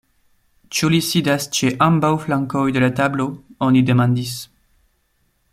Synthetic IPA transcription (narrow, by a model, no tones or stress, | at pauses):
t͡ʃulisid̪ast͡ʃeʔãmbawflãŋkojd̪əlat̪abloonlid̪emãnd̪is